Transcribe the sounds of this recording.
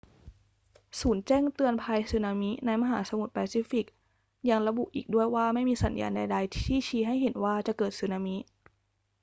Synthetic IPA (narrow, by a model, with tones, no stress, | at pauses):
suː˩˦nt͡ɕɛː˥˩ŋt̪ɯ˧ənpʰaː˧jsɯ˨˩˦naː˧mi˦˥na˧jma˧ɦaː˩˦sa˧mu˨˩t̪̚pɛː˧siː˦˥fi˨˩k̚ | ja˧ŋɾa˧bu˨˩ʔḭː˨˩k̚du˥˩əjwaː˥˩ma˥˩jmiː˧sa˩˦nja̰ː˧nda˧jda˧jt̪ʰt̪ʰiː˥˩t͡ɕʰiː˧ɦa˥˩jɦe˨˩˦nwaː˥˩t͡ɕa˨˩kɤː˨˩t̪̚sɯ˨˩˦naː˧mi˦˥ʔ